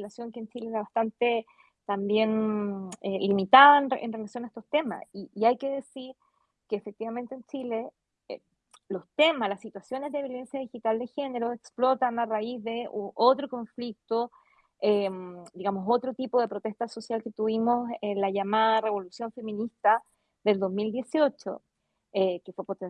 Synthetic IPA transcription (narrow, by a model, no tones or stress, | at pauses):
lasjo̞ŋkent͡ʃileeɾaβast̪ant̪e̞ | t̪ambje̞n | elimit̪aðaenḛnre̞lasjo̞naest̪ost̪e̞ma̰siːajke̞ðe̞siɾ | keːfek̚t̪iβament̪eːnt͡ʃile̞ | e | lo̞st̪emaslasːit̪wasjo̞nezðeβjo̞le̞nsjaðixit̪ald̪exe̞ne̞ɾoeksplo̞t̪anaraizðe̞uot̪ɾoko̞ɱflik̚t̪o | emd̪iɣamoso̞t̪ɾot̪ipoð̞e̞pɾot̪est̪aso̞sjalket̪uβimosenlaʝamaðare̞βo̞lusjo̞ɱfe̞minist̪a | ðe̞ld̪o̞zmild̪je̞sio̞t͡ʃo̰ | ekefwepot̪e